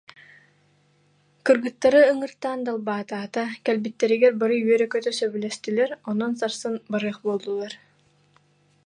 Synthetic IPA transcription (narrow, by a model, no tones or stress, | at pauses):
kɯɾɡɯt̪ːaɾɯɯŋɯɾt̪aːnd̪alˠbaːt̪aːt̪akɛlbit̪ːɛɾiɡɛɾbaɾɯyœɾɛkœt̪œsœβylɛst̪ilɛɾɔnɔnsaɾsɯnbaɾɯːχbulˠd̪ulˠaɾ